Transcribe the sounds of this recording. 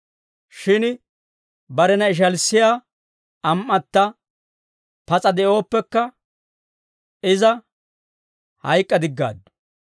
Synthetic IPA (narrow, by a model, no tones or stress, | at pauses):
ʃɪn | bɐɾɛnɐɪʃ̬ɐlsːɪjaː | ɐmʔɐt̪ːɐ | pɐt͡sʼɐd̪ɛʔo̞ːpːɛkːɐ | ɪzɐ | hɐjkʼːɐd̪ɪɡːa̰ːd̪ːʊ̥